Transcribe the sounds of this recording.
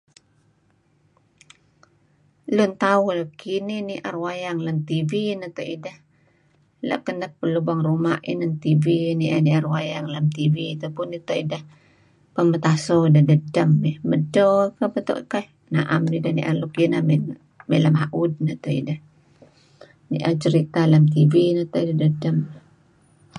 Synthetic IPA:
lʊnt̪auləkininiʔarwajaŋlamt̪ivinət̪oʔidah | la̰ʔkənək̚pəlubaŋrumaʔḭnənt̪iviniʔaniarwajaŋlamt̪ivit̪apʊnːit̪oʔidah | pəmət̪asɔidahdədəməhmədokapət̪o̰ʔka | naʔamnidahnḭʔalukinam | melamaʔud̚nət̪oḭdah | nḭʔat͡ʃəɾit̪alamt̪̬ivinət̪oʔidahdədəm

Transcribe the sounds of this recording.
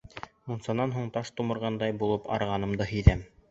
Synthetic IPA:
munsɑnɑnɦuɴt̪ɑʃt̪umɤ̆ɾʁɑnd̪ɑjbulˠɤpɑ̰ɾʁɑnɤmd̪ɤɦɵ̆jðæm

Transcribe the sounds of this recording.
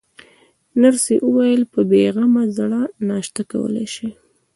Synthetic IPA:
naɾseʔəwajəlpəbeɣamazɽanɑʃt̪aka̰wə̰la̰jʃi

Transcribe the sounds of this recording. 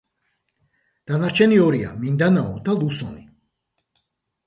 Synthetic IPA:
d̪̥anaɾt͡ʃʰɛniɔɾia̰mind̪anaɔd̪alˠusɔni

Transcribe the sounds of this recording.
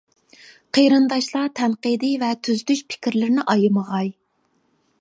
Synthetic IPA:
qʰejɾɨnd̪ɑʃlˠɑt̪ʰɛnqid̪ɨvɛt̪ʰyzd̪yʃpʰɪ̥kʲiɾlɪɾɪnɪʔɑjɨməʁɑj

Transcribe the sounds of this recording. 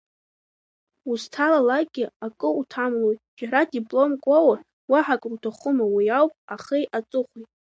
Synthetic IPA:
ustʰalalaɡʲɪakʼɨutʰamlojtʼd͡ʒaɾadipʼlo̞mkʷʼawa | waħakʼrutʰaχʊmawijawpʼaχejʔat͡sʼɨχʷijtʼ

